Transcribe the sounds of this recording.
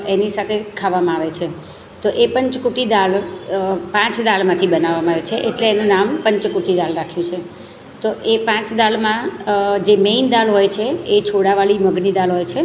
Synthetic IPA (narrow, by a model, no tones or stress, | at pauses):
enisat̪ʰekʰaʋamãaʋet͡ʃʰe | t̪oʔepəɲt͡ʃkuʈid̪al | pãt͡ʃd̪almãt̪ʰibənaʋːamãaʋet͡ʃʰeʔeʈleːnunampə̃ɲt͡ʃkuʈid̪alɾakʰjũt͡ʃʰe | t̪oʔepãt͡ʃd̪almãd͡ʒemeind̪alɦojt͡ʃʰeːt͡ʃʰoɽaʋaɭiməɡnid̪alɦojt͡ʃʰe